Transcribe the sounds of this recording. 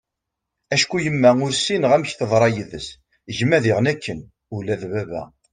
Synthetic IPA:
æʃkujəmːæʊɾsinʁæmçθəðˤɾˤɑjəðə̰s | ʝəmːæðiʁənækːən | ulæðbævæ̰

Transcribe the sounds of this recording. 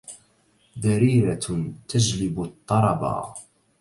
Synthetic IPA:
ðaɾiːɾat̪ad͡ʒlɪbʊt̪ˤːɑɾˤɑbɑ̰

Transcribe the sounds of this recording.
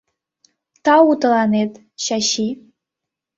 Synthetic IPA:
t̪ɑut̪lɑnet̪ | ɕaɕi

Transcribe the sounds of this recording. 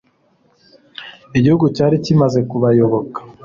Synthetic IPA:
iɟihuɡucaːɾicimaze̞kuβajo̞βo̞kḁ

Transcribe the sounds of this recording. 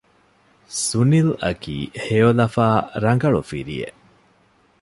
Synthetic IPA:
sunilɐ̰kḭːhejolɐfaːɾɐŋɡɐɭufiɾḭjḛ

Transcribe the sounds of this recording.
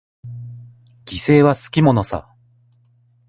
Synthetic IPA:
ɡ̥ʲise̞ːβasɨ̥kʲimo̞no̞sa̰

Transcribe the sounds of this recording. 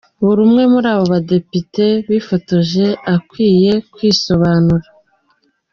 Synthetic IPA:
βuɾumŋe̞muɾaːβo̞βade̞pite̞βifo̞to̞ʒe̞akwiːje̞kwiːso̞βaːnuɾa

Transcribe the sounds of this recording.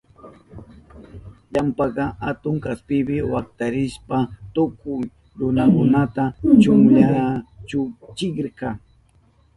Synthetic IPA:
ʎampɑɢɑhat̪ʊŋkaspɪbɪwak̚t̪aɾɪʃpat̪ʊkʊj | ɾʊnakʊnat̪at͡ʃʊŋʎat͡ʃʊt͡ʃɪkɾkɑ

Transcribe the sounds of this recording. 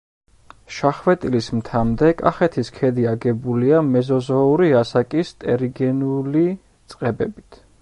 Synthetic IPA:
ʃaχwɛt̪ʼilismt̪ʰamd̪ɛkʼa̰χɛt̪ʰiskʰɛd̪iaɡɛbuliamɛzɔzɔuɾiasakʼist̪ʼɛɾiɡɛnli | t̪sʼqʼɛbɛ̰bit̪ʰ

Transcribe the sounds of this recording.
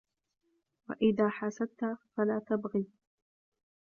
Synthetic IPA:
wa̰ʔɪðaːħasat̪afalaːt̪abɣiː

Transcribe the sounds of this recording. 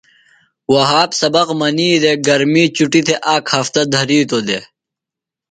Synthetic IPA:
wɐɦaːpsɐbɐqmɐniːd̪eɡɐɾmiːt͡ɕuʈit̪ʰeʔaːkhɐft̪ɐd̪ʱɐɾiːt̪od̪e

